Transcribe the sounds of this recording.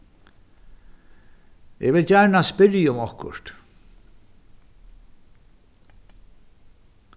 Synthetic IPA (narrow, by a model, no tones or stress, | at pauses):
ɪ̰ɣvɪlcaɾɳaspɪɾjʊmɔhkʊ̰ɾ̥t̪